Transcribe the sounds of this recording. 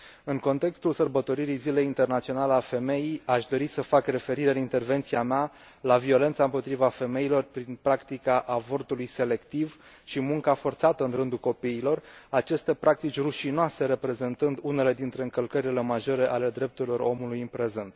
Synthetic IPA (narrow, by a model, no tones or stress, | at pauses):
ɨŋko̞nt̪e̞kst̪ulsərbət̪o̞ɾiɾijzile̞jint̪e̞rnat̪sio̞nalealfe̞me̞jijaʃd̪o̞ɾisəfakre̞fe̞ɾiɾeɨnint̪e̞rve̞nt̪siamea | lavio̞le̞nt̪saɨmpo̞t̪ɾivafe̞me̞ilo̞rpɾinpɾakt̪ikaʔavo̞rt̪ulujse̞le̞kt̪iv | ʃimuŋkafo̞rt̪sat̪əɨnrɨnd̪ulko̞piːlo̞rat͡ʃe̞st̪e̞pɾʔak̚t̪it͡ʃʲruʃinoase̞ɾe̞pɾe̞ze̞nt̪ɨnd̪une̞le̞d̪int̪ɾe̞ɨŋkəlkəɾile̞maʒo̞ɾe̞ʔale̞d̪ɾe̞p̚t̪uɾilo̞ɾo̞̰mulujɨmpɾe̞ze̞nt̪